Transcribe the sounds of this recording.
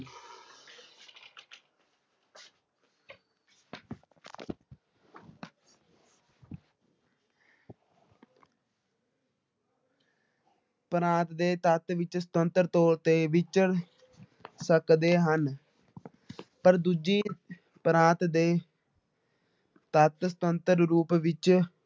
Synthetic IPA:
pɾãːt̪d̪eːt̪ət̪ʋɪt͡ʃsə̥t̪ənt̪əɾt̪oːlt̪eːʋɪt͡ʃəɾ | səkd̪eːɦən | pəɾd̪ud͡ʒiː | pɾãːt̪d̪eː | t̪ət̪sə̥t̪ənt̪əɾɾuːpʋɪt͡ʃ

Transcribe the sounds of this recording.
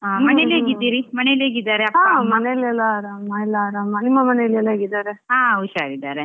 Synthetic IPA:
mɐneleɡid̪iɾimɐneleɡid̪aːɾeɐpːaamɐnelɛlaɾamaɛlaɾamɐnimːɐmɐnelɛlaɡid̪aɾeɦãːuʃaɾid̪aɾe

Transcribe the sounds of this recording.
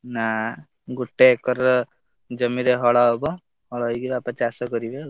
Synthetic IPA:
na | ɡuʈːekɔɾ | d͡ʒəmiɾeɦɔɭaɦɔbɔ | ɦɔɭajɡibapət͡ʃasɔkɔɾibe

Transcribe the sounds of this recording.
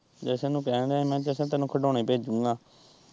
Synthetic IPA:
d͡ʒɛːsɛ̃ːnũːkɛːɳaːemɛ̃ːd͡ʒɛːsɛ̃ːt̪ɛːnũːkʰəɖoːneːpeːd͡ʒd͡ʒũːŋɡaː

